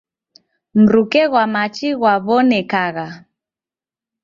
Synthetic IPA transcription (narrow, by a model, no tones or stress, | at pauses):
m̩ɾukɛɣwamat͡ʃiɣwaβɔnɛkaɣa